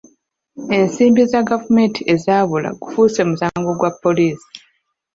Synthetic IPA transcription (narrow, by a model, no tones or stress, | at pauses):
e̞nsiːmbizaɡavume̞ntʰiʔe̞zaːβula̰ɡufuːse̞musaːŋɡo̞ɡwapːo̞liːsi̥